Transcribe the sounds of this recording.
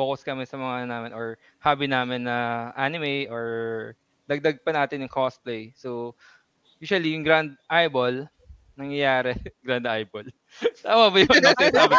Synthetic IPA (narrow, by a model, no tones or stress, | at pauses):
boːkɐskɐmɪnsɐmɐŋaʔɐnonaːmɪnʔɔɹ | haːbɪnaːmɪnːɐʔaːnɪmɛjʔoɹ | d̪ɐɡ̚d̪ɐɡ̚pɐnaːt̪ɪnjʊŋkʰosplejso | juːʃʊɐlijʊŋɡɾand̪̚ʔajbol | nɐŋjɐjaːɾɛɡɾand̪ʔajbol | t̪aːwɐbɐjoɐa